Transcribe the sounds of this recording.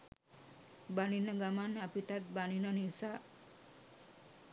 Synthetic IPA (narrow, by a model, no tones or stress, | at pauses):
baninəɡamanapiʈat̪̚baninənisaː